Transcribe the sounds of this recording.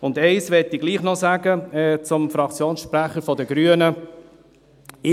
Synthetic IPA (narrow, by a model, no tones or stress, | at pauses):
ʊndɛɪsʋɛtiɡliːχnɔsæɡəɛt͡sʊmfɾɑkt͡sjoːnsʃpɾæχəɾfɔdəɡɾyənə | ɪ